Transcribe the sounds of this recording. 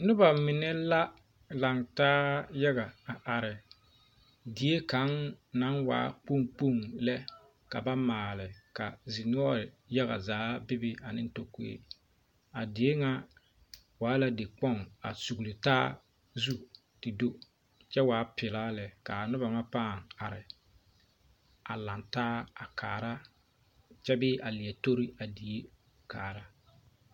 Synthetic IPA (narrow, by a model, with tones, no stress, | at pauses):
nʊ˦ba˨mɪ˨nɛ˦la˦ | la˨ŋtaː˦ja˦ɣa˨a˨ʔa˨ɾɪ˨ | dɪ˨˦e˦ka˨˦nna˨˦nwa̰ː˨˦k͡po˦ŋk͡po˦˨ŋlɛ˦ | ka̰˨ba˦maː˨lɪ˨ka˨zɪ˨nʊ˦ɔ˦ɾɪ˨ | ja˦ɣa̰˨zaː˨˦bɪ˦bɪ˦a˨nɪ˦n˦to˦˨kḛ˦ | a˨dɪ˨e˦ŋa˦ | waː˨˦la˦de˨k͡pɔ˦ŋa˨su˨ɣlɪ˨taː˦ | zu˦ | tɪ˨do˦ | t͡ʃɛ˦waː˨˦pɪ˨laː˦lɛ˨ka˨a˨nʊ˦ba˨ŋa˦paː˦˨ŋa˨ɾɪ˨ | a˨la˨ntaː˦a˨kʰaː˨ɾa˦ | t͡ʃɛ˦bɪ˦ʔa˨lɪ˨ɛ˨to˦ɾi˦a˨di˨e˦ | kaː˨ɾa˦